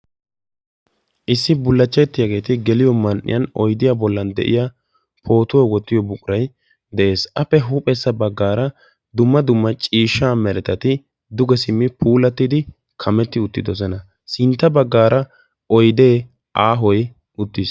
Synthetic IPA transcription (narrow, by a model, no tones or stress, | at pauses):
ʔɪsːɪbʊlːɐt͡ʃːɛjt̪ːɪjaɡe̞ːt̪ɪɡɛlɪjɔmɐnʔɪ̰jɐnɔjd̪ɪjabɔlːɐnd̪ɛ̰ʔɪ̰jaː | pʰo̞ːt̪ʊwɔwɔt̪ːɪjɔbʊkʼʊɾɐj | d̪ɛʔe̞ːsɐpːɛɦuːpʼɛsːɐbɐɡːaːɾɐ | d̪ʊmːɐd̪ʊmːɐt͡ʃʼiːʃːaːmɛɾɛt̪ɐt̪ɪ | d̪ʊɡɛsɪmːɪpʰuːlɐt̪ːɪd̪ɪ | kʰɐmɛt̪ːɪʊt̪ːɪd̪ɔsɛnɐ | sɪnt̪ːɐbɐɡːaːɾɐ | ɔjd̪e̞ː | ʔaːɦɔj | ʊt̪ːɪs